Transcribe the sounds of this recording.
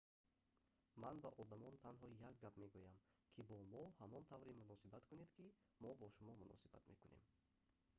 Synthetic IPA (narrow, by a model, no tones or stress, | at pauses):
manbaʔɔd̪amɔnt̪ʰanɦɔjak̚ɡabme̞ɡujamkʰibɔmɔhamɔnt̪ʰavɾimunɔsibat̪kʰuned̪kʰi | mɔbɔʃumɔmunɔ̰siba̰t̪me̞kune̞̰m